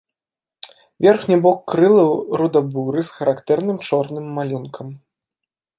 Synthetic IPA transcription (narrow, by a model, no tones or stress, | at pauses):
vʲɛrxnʲɛbɔkːɾɨlˠɐwɾud̪ɐbuɾɨsxɐɾakt̪ɛrnɨmt͡ʂɔrnɨmːalʲunkʰɐm